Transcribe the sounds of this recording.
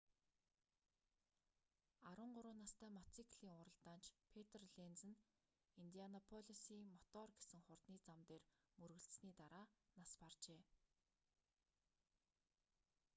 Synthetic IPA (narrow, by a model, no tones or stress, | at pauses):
aɾwʊ̆ɴɢʊɾʊːnaːst̪ʰæːmɔt͡sʰikʰɮ̥iːŋʊɾə̆ɮt̪aːnt͡ɕpʰet̪ʰrɮent͡sɘ̆n | int̪ianɔpʰɔɮʲisiːŋmɔt̪ɔːrɡe̥sɘ̆ŋχʊrt̪niːt͡samt̪eːrmɵɾɣɘ̆ɬtsniːt̪aɾaːnaspart͡ɕeː